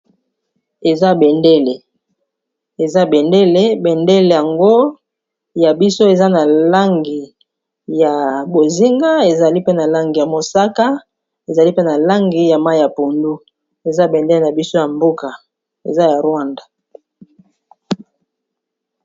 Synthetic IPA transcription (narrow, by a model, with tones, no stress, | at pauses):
e˨za˦be˨nde˦le˨ | e˨za˦be˨nde˦le˦be˨nde˦le˨ja˨ŋɡo˦ | ja˨bi˦so˦e˨za˦na˨la˦ŋɡi˨ | ja˨bo˨zi˦ŋɡa˦e˨za˨li˦pe˦na˨la˦ŋɡi˨ja˨mo˨sa˦ka˦ | e˨za˨li˦pe˦na˨la˦ŋɡi˨ja˨ma˦˨ja˨po˨ndu˦ | e˨za˦be˨nde˦le˨na˨bi˦so˦ja˨mbo˦ka˨ | ḛ˨za˦ja˨ʁwa˦nda˨